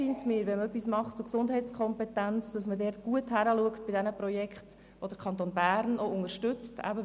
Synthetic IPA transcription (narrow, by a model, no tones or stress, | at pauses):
iːntmɪːɾʋɛnmœpːismɑχtt͡sʊɾksʊndɦɛɪt͡skʰɔmpɛtænt͡sd̥ɑsmədɛːɾt̚ɡ̥uəthæɾəluəkt̚b̥ɪdɛnəprɔjɛkχt | ʋod̥əɾkʰɑntoːnbæːɾnoʊŋəʃtʏt͡stæ̰bə